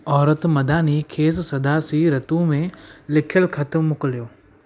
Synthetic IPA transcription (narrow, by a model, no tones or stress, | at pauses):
ɔːɾət̪mɐd̪ʱaːnikʰeːs̬sɐd̪aːsiɾɐt̪ũmẽlɪkʰjəlkʰɐt̪mmːʊkəljoː